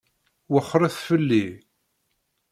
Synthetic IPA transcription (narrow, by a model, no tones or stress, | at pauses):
wəχːɾˤæθfəlːi